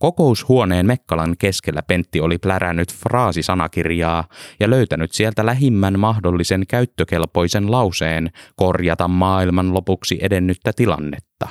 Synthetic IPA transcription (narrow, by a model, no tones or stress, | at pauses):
ko̞ko̞ushuo̞ne̞ːnmekːɑlɑŋke̞skelːæpe̞nt̪ːio̞liplæɾæ̰nːyt̪frɑːsisɑnɑkirjɑːjɑløyt̪ænyt̪sielt̪ælæɦimːænmɑhdo̞lːise̞ŋkæyt̪ːøke̞lpo̞jse̞nlɑwseːnko̞rjɑt̪ɑmːɑːilmɑnlo̞puksiʔe̞de̞nːyt̪ːæt̪ilɑ̰nːe̞t̪ːɑ